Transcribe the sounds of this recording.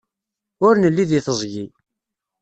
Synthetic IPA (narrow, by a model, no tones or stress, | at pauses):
ʊɾnəlːiðiθəzˤʝi